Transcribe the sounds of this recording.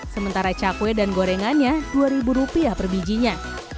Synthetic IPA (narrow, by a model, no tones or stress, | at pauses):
səmənt̪aɾat͡ʃakwɛdanɡoɾɛŋanɲaduaɾibuɾupiapərbid͡ʒiɲa